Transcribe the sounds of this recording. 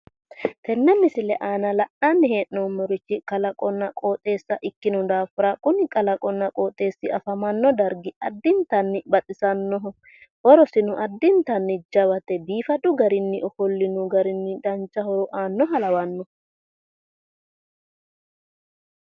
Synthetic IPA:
t̪ɛnːɛmːɪsɪlɛʔaːnɐlɐʔɐnːɪɦe̞ːʔnɔmɔɾɪt͡ʃːɪkʼɐlɐkʼɔnːɐkʼoːt̪ʼːe̞ːsːɐʔɪkːɪnʊd̪aːfʊɾɐkʼʊnɪkʼɐlɐkʼɔnːɐkʼoːt̪ʼːe̞ːsːɪɐfɐmɐnːɔd̪ɐɾɡɪɐd̪ːɪnt̪ɐnːɪbɐt̪ʼɪsɐnːɔɦʊ | ʔɔɾɔsɪnʊʔɐd̪ːɪnt̪ɐnːɪd͡ʒɐwɐt̪ɛbiːfɐdʊɡɐɾɪnːɪʔɔfɔlːɪnʊɡɐɾɪnːɪd̪ɐnt͡ʃːɐhɔɾɔʔaːnːɔɦɐlɐwɐnːɔ

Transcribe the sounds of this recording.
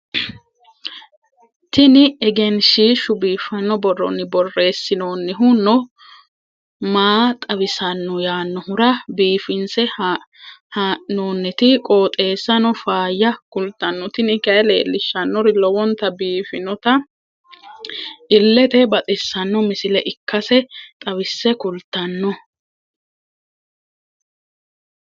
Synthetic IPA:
t̪ɪnɪɛɡɛnʃiːʃʊbiːfɐnːɔbɔrɔ̰nːɪbɔrːe̞ːsːɪnoːnːɪɦʊnɔ | maːt̪ʼɐβɪsɐnːɔjaːnːɔhʊɾɐbiːfɪnsɛ | haːʔnoːnːɛt̪ɪkʼo̞ːt̪ʼe̞ːsːɐnɔfaːjːɐkʊlt̪ːɐnːɔt̪ɪnɪkɐʔɛle̞̰ːlːɪʃːɐnːɔɾɪlɔwɔnt̪ɐbiːfɪnɔt̪ɐ | ʔɪlːɛt̪ɛbɐt̪ʼɪsːɐnːɔmɪsɪlɛʔɪkːɐsɛt̪ʼɐβɪsːɛkʊlt̪ːɐnːɔ

